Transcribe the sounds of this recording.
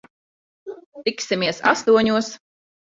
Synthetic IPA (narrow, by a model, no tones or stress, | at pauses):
t̪iksimiɛsa̰st̪uɔɲuɔs